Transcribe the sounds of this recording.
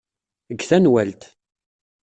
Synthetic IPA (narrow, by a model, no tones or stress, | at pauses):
əɡːθænwælt̪